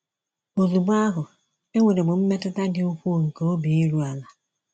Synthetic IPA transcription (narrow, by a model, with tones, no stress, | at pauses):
o˨zu˨bʊ˦a˦ɦʊ˨ | e˦ŋʷe˨ɾe˨ɡ͡bʊ˨m̩˦me˦tʊ˦ta˦dɪ˨u˦kʷu˦˨ŋ̩˨ko˨˦o˦bi˨i˦ɾu˦a˨la˨